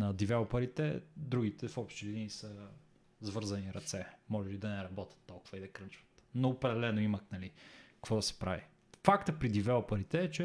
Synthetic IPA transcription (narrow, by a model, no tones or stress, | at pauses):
nɐd̪ivɛlˠpɐɾit̪ɛd̪ɾuɡit̪ɛfɔpʃt̪ɛlinisə | zvɤɾzɐniɾɐt̪sɛmɔʒɛlid̪ɐnɛɾɐbɔt̪ʲɐ̥t̪ːɔlˠkʊ̥vɐid̪ɐkɾənt͡ʃvə̥t̪noːpɾɛd̪ɛlɛnoimɐknɐlikɐkvɔd̪ɐsɛ̥pɾa̰vi | fakt̪əpɾid̪ivɛlˠpɐɾit̪ɛːt͡ʃɛ